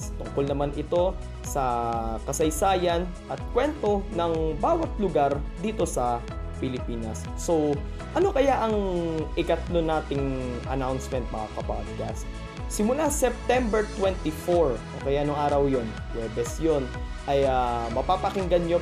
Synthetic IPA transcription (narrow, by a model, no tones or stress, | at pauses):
t̪ʊŋko̞lnɐmanʔɪt̪o̞ | sɐkɐsɐjsaːjɐn | ʔɐt̪̚kwɛnt̪o̞nɐŋbaːwɐt̪̚lʊɡaɾd̪iːt̪o̞sɐ | pɪlɪpiːnɐsːo̞w | ʔɐno̞kɐjaʔɐŋʔɪkɐt̪lonaːt̪ɪŋʔɐ̰nawnsmɛnt̪̚mɐakɐpalʊɡɐsː | ɪmʊlasɛp̚t̪ɛmbɛɹt̪wɛnt̪ifoɹʔokɐjaʔnʊŋʔaːɾɐwjo̞n | ɛd̪ɛsjon | ʔɐjamɐpaːpɐkɪŋɡɐnɲo